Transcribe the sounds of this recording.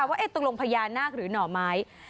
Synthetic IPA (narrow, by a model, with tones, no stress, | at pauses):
a˨˩waː˥˩ʔe˦˥˩t̪o˧˩lo˧ŋpʰa˧jaː˧nːaː˥˩k̚ɾɯː˩˦nɔː˨˩maː˦˥j